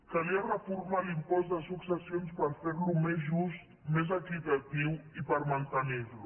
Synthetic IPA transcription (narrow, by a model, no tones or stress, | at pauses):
kaliarɐfuɾmalimpɔsd̪ɐsuksɐsjonspɐɾfeɾlumezʒust̪ | mez̬akit̪ɐt̪iwipɐɾmɐ̃nt̪aniβlu